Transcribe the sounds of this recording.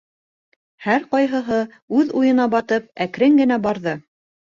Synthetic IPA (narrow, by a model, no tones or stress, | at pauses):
hæɾqɑjɦɤ̆ɦɤ | ʉðujɤ̆nɑbɑt̪ɤp̚ækɾɘŋɡɘ̆n̪æbɑɾðɤ